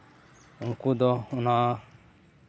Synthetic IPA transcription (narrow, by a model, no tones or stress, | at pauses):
ŋ̩kud̪ɔuna